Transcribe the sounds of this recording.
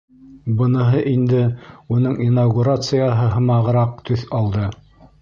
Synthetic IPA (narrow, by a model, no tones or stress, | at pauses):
bɤ̆nɤ̆ɦɤʔind̪ɘunɤɴinaɡuɾat̪sɨjaɦɤɦɤmɑʁɤ̆ɾɑq̚t̪ɵθɑlˠd̪ɤ